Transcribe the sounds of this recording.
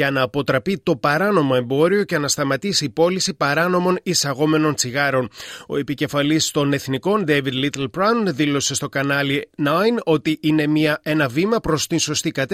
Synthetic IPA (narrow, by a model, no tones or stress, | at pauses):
ɐnɐːpo̞t̪ɾɐpit̪o̞pɐɾɐno̞moe̞mbo̞ɾio̞cenɐst̪ɐmɐt̪isiːpo̞lisipɐɾɐno̞mo̞nisɐɣo̞me̞no̞nt͡siɣɐɾo̞no̞̰e̞pice̞fɐlist̪o̞ne̞θniko̞nd̪evid̪lit̪elpɾɐnðilo̞se̞st̪o̞kɐnɐlinɐjno̞t̪iʔine̞miɐe̞nɐvimɐpɾo̞st̪inso̞st̪ikɐt̪